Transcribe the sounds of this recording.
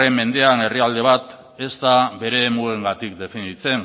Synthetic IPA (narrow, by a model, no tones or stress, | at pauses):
e̞mːe̞nd̪e̞ane̞riald̪e̞β̞at̪ | e̞st̪aβe̞ɾe̞ːmue̞ŋɡat̪ikd̪e̞finit͡se̞ŋ